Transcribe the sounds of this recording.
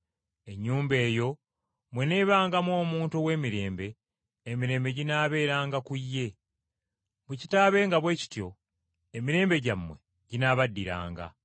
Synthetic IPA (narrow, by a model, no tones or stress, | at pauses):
e̞ɲːuːmbe̞ːjo̞ | mwene̞ːβaːŋɡamwoːmuːntuwe̞ːmiɾe̞ːmbe̞ː | miɾe̞ːmbe̞ɟinaːβe̞ːɾaːŋɡakujːe̞ | muci̥taːβe̞ːŋɡaβwe̞ːci̥tjo̞ | emiɾe̞ːmbe̞ɟamːwe̞ | ɟinaːβadːiɾa̰ːŋɡa̰